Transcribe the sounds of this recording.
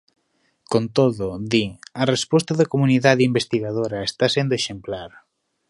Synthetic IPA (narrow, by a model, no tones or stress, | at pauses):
kont̪oðʊðiɐrespɔst̪ɐðɐkomuniðaðeimbest̪iɣaðoɾɐest̪asend̪oeʃemplaɾ